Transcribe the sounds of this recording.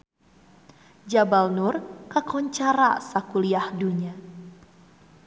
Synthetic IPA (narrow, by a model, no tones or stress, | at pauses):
d͡ʒabalnʊrkəkɔɲt͡ʃaɾa̰sakuliahduɲa